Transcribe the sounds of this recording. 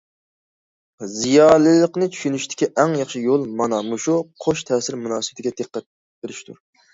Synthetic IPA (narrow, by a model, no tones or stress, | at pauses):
zijɑːlɨlˠəqnɨt͡ʃʰy̥ʃynyʃt̪ʰɪ̥kʲiʔɛŋjɑχʃijolˠmɑnɑmuʃuqʰoʃt̪ʰɛːsɪɾmunɑːsɨbɪt̪ʰɪɡʲɛd̪əqːæt̪̚ | beɾɪʃt̪ʰṵ